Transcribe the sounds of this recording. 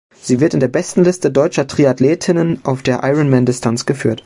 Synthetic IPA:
z̥iːvɪɐtɪndeːɐbɛstn̩lɪstədɔʏt͡ʃɐtʁ̥iatleːtʰɪnənʔaʊfd̥eːɐʔaɪʁənmɛndɪstʰant͡sɡ̥əfy̰ːɐt

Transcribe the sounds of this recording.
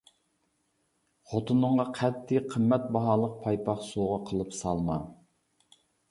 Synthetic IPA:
χot̪ʰɨnɨɴʁɑqʰæt̪ʰːɪqʰəmːɛt̪̚bɑɦɑːlˠəq̚pʰɑjpʰɑχsoʁɑqʰəlˠɨpsɑlˠmɑ̰

